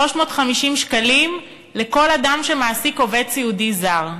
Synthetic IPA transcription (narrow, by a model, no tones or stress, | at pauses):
o̞ʃmo̞ːt̪χamiʃimʃkalim | le̞ko̞ladamʃemaːsiko̞ve̞t͡siudizaʁ